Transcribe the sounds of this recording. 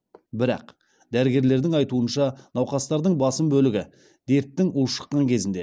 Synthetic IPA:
bɪɾɑ̰q | d̪æɾɪɡʲe̞ɾle̞ɾd̪ɪŋɑjt̪uənʃɑnɑwqɑst̪ɑɾd̪əɴbɑsəmbɵlɪɡʲɪ | d̪̥e̞ɾt̪ːɪŋʔulʃə̥qːɑŋkʲʰe̞zɪnd̪e

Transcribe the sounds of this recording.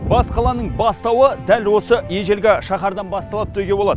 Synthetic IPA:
b̥ɑsqʰɑlˠɑnəɴbɑst̪ɑwəd̪ælwo̞səje̞ʒe̞lɡʲeʃɑχɑɾd̪ɑnbɑst̪ɑlˠɑp̚t̪ʰɵjɡʲe̞boɑd̪əə

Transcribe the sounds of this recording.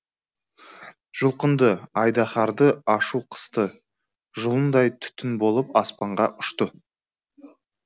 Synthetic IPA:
ʒ̥ʊlˠqənd̪əɑjd̪ɑχɑɾd̪əɑʃuqʰə̥st̪ə | ʒʊlˠənd̪ɑjt̪ʰʏ̥t̪ɪnbo̞lˠəpɑspɑɴʁɑʔʊʃt̪ə

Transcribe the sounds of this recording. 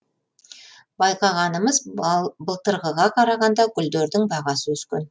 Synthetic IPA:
bɑjqɑʁɑnəməzbəlˠt̪əɾʁəʁɑqʰɑɾɑʁɑnd̪ɑkʲʰʏld̪eɾd̪ɪŋbɑʁɑsəʏz̥kʲḛn

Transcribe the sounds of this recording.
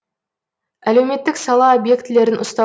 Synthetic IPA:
æle̞wme̞t̪ːɪksɑlˠɑobje̞kt̪ɪle̞ɾɪnʔʊ̰st̪ɑ

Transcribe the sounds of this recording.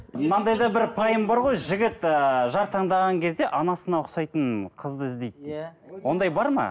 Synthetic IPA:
mɑnd̪ɑjd̪ɑbɪɾpʰɑjəmbɑɾʁo̞jʒɪɡʲɪt̪əʒɑɾt̪ʰɑɴd̪ɑʁɑŋkʲʰe̞zd̪e̞ʔɑnɑsənɑʊqsɑjt̪əɴqʰəzd̪əɪzd̪e̞j̪̚d̪e | wo̞nd̪ɑjbɑɾmɑ̰

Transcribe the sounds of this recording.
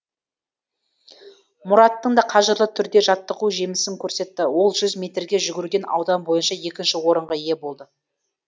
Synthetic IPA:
mʊɾɑt̪ːəɴd̪ɑqʰɑʒəɾlˠət̪ʰʏɾd̪e̞ʒɑt̪ːəquʒe̞mɪsɪŋkʲʰɵɾse̞t̪ːɪwo̞lˠʒʏzmʲe̞t̪ɾɡʲe̞ʒʏɡʲɪɾɡʲe̞nɑ̰wd̪ɑmbo̞jənʃɑje̞kʲɪnʃɪwo̞ɾəɴʁɑje̞bo̞lˠd̪ə

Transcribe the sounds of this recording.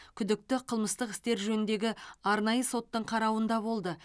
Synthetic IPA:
kʲʰʏd̪ɪk̚t̪ɪqʰəlˠməst̪əqɪ̥st̪e̞ɾʒɵnɪnd̪e̞ɡʲɪɑɾnɑjəso̞t̪ːəɴqʰɑɾɑwənd̪ɑbo̞lˠd̪ə

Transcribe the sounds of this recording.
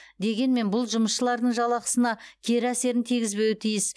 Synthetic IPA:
d̪e̞ɡʲe̞nme̞nbʊlˠʒʊməsʃəlˠɑɾd̪əɴʒɑlˠɑqə̥sənɑkʲʰe̞ɾɪæse̞ɾɪnt̪ʰiɡʲɪzbe̞wɪt̪ʰijɪs

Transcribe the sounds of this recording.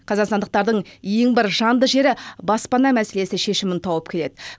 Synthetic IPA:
qʰɑzɑqsɑnd̪əq̚t̪ɑɾd̪əɴje̞ŋbɪɾʒɑnd̪əʒe̞ɾɪbɑspɑnɑmæse̞le̞sɪʃe̞ʃɪmɪnt̪ʰɑwəp̚kʲʰe̞le̞d̪ɪ

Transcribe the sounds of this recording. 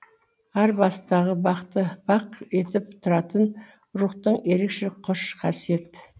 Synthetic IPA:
æɾbɑst̪ɑʁəbɑqt̪əb̥ɑqe̞t̪ɪp̚t̪ʰʊɾɑt̪ən | ɾuqt̪əɴe̞ɾe̞kʃe̞qʰʊʃqʰɑsije̞t̪

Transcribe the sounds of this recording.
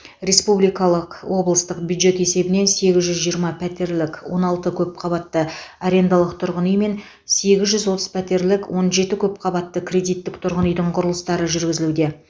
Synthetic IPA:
ɾʲe̞spublijkɑlˠəqwo̞blˠəst̪əqbʲjud̪ʒe̞t̪e̞se̞bɪne̞nse̞ɡʲɪzʒʏzʒijəɾmɑpʰæt̪e̞ɾlɪkwo̞nɑlˠt̪əkʲʰɵpqʰɑβɑt̪ːəaɾe̞nd̪ɑlˠəq̚t̪ʰʊɾʁənəjme̞n | se̞ɡʲɪzʒʏzwo̞t̪əzpʰæt̪e̞ɾlɪkwʔo̞nʒe̞t̪ɪkʲʰɵp̚qʰɑbɑt̪ːəkʲʰrʲe̞d̪ijt̪ːɪkt̪ʰʊɾʁənəjd̪əɴqʰʊɾəlˠəst̪ɑɾəʒʏɾɡʲɪzɪlud̪e̞

